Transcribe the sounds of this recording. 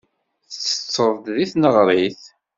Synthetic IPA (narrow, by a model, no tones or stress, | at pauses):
θt͡sːə̥t͡sːəðˤd̪ðiθnəʁɾˤiθ